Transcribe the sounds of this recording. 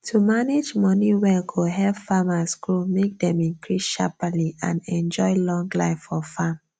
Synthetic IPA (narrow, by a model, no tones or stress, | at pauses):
tʰumaned͡ʒmɔniwɛɡʰoɦɛvfamasɡɹomek̚dɛ̃mĩnkʰɹisʃapəliãnɛ̃nd͡ʒɔɪlɔ̃ŋɡlaɪfɔfam